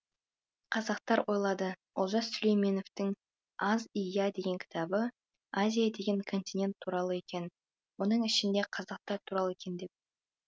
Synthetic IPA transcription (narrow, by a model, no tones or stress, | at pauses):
qʰɑzɑqt̪ɑɾwʔo̞jlˠɑd̪ə | olˠʒɑssʊlejme̞no̞ft̪ɪŋ | ɑzijad̪e̞ɡʲe̞ŋkʲʰɪ̥t̪ʰɑbə | azʲijad̪e̞ɡʲe̞ŋkʰo̞nt̪inʲe̞nt̪ʰːuɾɑlˠəe̞kʲe̞n | wo̞nəɴɪʃɪnd̪e̞qʰɑzɑq̚t̪ɑɾt̪ʰuɾɑlˠekʲʰe̞nd̪e̞p̚